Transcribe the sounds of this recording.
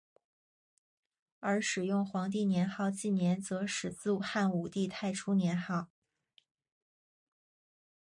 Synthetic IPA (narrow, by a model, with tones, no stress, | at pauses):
ə˞˧˥ʂɻ̩˨˩jʊ˥˩ŋxwɑ˧˥ŋt̪̬i˥˩njɛ˧˥nxɑ˥˧ʊt͡ɕi˥˩njɛ˧˥nt͡sɤ˧˥ʂɻ̩˨˩t͡sɹ̩˥˩xa˥˩nu˨˩t̪i˥˧t̪ʰa˥˧ɪʈ͡ʂʰu˥njɛ˧˥nxɑ˥˩ʊ